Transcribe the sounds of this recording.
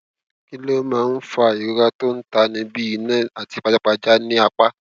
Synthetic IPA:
ki˦lo˦mãː˨˦˧n̩˦fa˧˨i˨ɾo˨˦ɾa˧to˦n̩˦ta˧nĩ˧bi˦i˧nɛ̃˦˨a˨ti˨˧˦k͡pa˧˨d͡ʒa˦k͡pa˧d͡ʒa˦nĩ˦a˧k͡pa˦

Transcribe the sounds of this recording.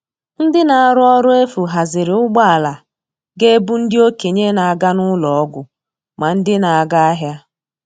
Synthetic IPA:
n̩˦dɪ˦na˨a˨ɾʊ˦ɔ˦ɾʊ˦e˦fu˨ɦa˨zɪ˨ɾɪ˨ʊ˦ɡ͡ba˦a˨la˨ | ɡe˦bu˦n̩˦dɪ˦o˦ke˨ɲe˦na˨a˨ɡa˦nʊ˦lɔ˨ɔ˦ɡʷʊ˨ | ma˨n̩˦dɪ˦na˨a˨ɡa˦a˦ɦja˦

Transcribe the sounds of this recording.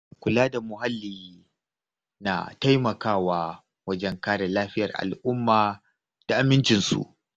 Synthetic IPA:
kʷʊ˨laː˦da˨mʊ˨ɦa˦lːiː˨ | na̰˨ta˦jmɐ˨kaː˦˨waː˦ | wɐ˦d͡ʒɛ˦ŋkaː˦ɽe˨laː˦ɸɪ˦jɐ˨rʔa̰˨lʔʊ˦mːaː˨ | d̥a˨ʔa˨mɪ˦nt͡ʃɪ˨nsṵ˨ʔ

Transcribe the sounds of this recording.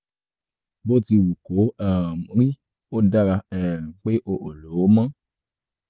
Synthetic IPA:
bo˦ti˧wu˨ko˨˦a˨mu˨ɾi˦ | o˦da˦ɾa˧ɛ˨k͡pe˦ʔo˧ʔo˨lo˨˦mã˦

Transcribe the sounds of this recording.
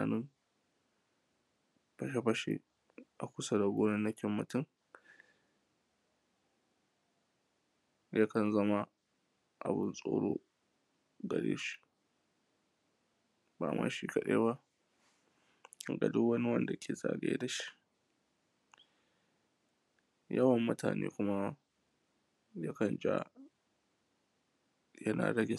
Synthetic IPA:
a˨nɪ˦m | ɸɐ˦ʃe˦ɸɐ˦ʃḛ˦ | ʔa˨kʷʊ˦sɐ˦da˨ɡʷoː˦nɪ˦nːɐ˦kʲɪ˦mːɐ˨tɪ˦ŋ | jʔa˦kɐ˨nzɐ˦ma˦ | ʔa˨bɪ˦nsʼo̰ː˦ɽoː˦ | ɡɐ˨ɽḛː˦ʃi̥˦ | baː˨mʔa̰ː˦ʃi˦kɐ˨ɗeː˦ba˦ | ɡɐ̰˨dʊ˦wɐ˦ni˦wɐ˦nda˨kʲʰeː˨za̰ː˨ɡḛː˦da˨ʃi̥˦ʔ | jɐ˦wɐ˨mːʊ˦taː˨nḛː˦kʷʊ˦ma˦ | ja˦kɐ˨nd͡ʒa̰˦ | jɐ˦na̰ː˨ɽɐ˦ɡʲɪ˨

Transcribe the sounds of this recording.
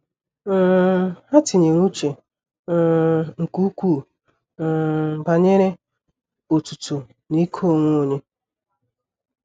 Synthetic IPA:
ha˦tɪ˨ɲe˨ɾu˦t͡ʃe˨˦˨ | ŋ̩˨ku˦kʷu˦˨ | ba˨ɲe˦ɾe˦ | o˨tu˨tu˨ | ni˦kʰo˦˨ŋʷo˦o˨ɲe˦

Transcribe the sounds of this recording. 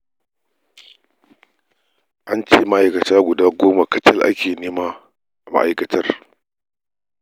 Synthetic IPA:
ʔa˦nt͡ʃeː˦ma˦ʔa˨jkɐ˨taː˦ɡʷʊ˨daː˦ɡʷoː˦ma˨kɐ˦tɐ˦lʔa̰˦kʲeː˨neː˦maː˦˨ | ma̰˦ʔa˨jkɐ˨tʰɐ˦r

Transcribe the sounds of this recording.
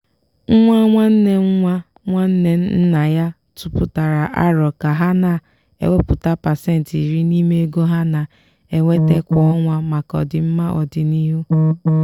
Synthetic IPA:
ŋ̩˦ŋʷa˦ŋʷa˦n̩˦ne˦ŋ̩˦ŋʷa˦ | ŋʷa˦n̩˦ne˨n̩˦n̩˦na˨ja˦ | tʊ˦pʊ˨ta˨ɾa˨ʔa̰˦ɾɔ˨ka˨ɦa˦na˨ | ḛ˨wʷe˦pʊ˨ta˦pa˨se˦n̩˨ti˨ɾi˦ni˦me˦e˦ɡo˦ɦa˦na˨ | e˨ŋʷe˦te˦kʷɔ˨ɔ˦ŋʷa˦ma˨kɔ̰˨dɪ˨m̩˦ma˦ʔɔ̰˨dɪ˨ni˦ɦu˦

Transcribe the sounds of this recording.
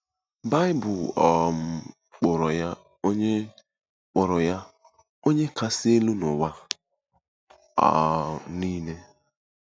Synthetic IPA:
ba˦ɪ˦bʊ˨lɔ˨m̩˨ | k͡pʊ˨ɾɔ˨ja˦ | o˦ɲe˦ | k͡pɔ˨ɾɔ˨ja˦ | o˦ɲe˦ka˦sɪ˦e˦lu˦nʊ˨wa˦ | a̰˨ni˦ne˦

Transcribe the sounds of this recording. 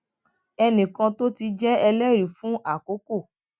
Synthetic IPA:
ɛ˧nĩ˨kã˧to˦ti˧d͡ʒɛ˦ɛ˧lɛ˦ɾi˨fũ˨˦ʔa˦˨ko˨˦ko˦˨

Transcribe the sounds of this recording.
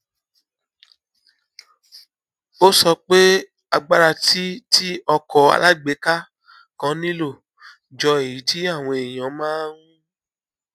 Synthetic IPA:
o˦sɔ˧k͡pe˦ | a˧ɡ͡ba˦ɾa˧ti˦ti˦ɔ˧kʰɔ˧a̰˧la˦ɡ͡be˨˦ka˦ | kã˧˦nĩ˦lo˦˨ | d͡ʒɔ˧e˨ji˨˦ti˦a˦˨w̃ɔ̃˧e˨j̃ã˨˦mãː˦wũ˦

